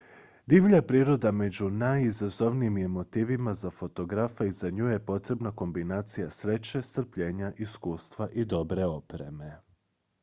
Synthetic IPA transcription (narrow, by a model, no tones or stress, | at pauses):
d̪iʋʎapɾiːɾo̞d̪ame̞d͡ʑunajizazo̞ʋnijime̞mo̞t̪iːʋimazafo̞t̪o̞ɡɾafaizaɲuːje̞po̞t̪ɾe̞bnako̞mbinaːt̪sijasɾe̞t͡ɕe̞st̪r̩pʎe̞ːɲaʔiskuːst̪ʋaʔid̪o̞bɾe̞o̞pɾe̞̰me̞